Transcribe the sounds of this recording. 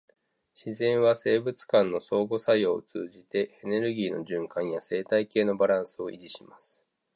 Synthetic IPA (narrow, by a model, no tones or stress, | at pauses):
ɕizẽ̞ɰ̃βase̞ːbɯ̟t͡sɨ̥kãnːo̞so̞ːɡo̞saioːt͡sɨ̰ːʑit̪e̞ene̞ɾɯ̟ɡʲiːno̞̰ʑɨ̃ŋkãɰ̃jase̞ːt̪aike̞ːno̞baɾãɰ̃sɨo̞ʔḭʑiɕimasɨ̥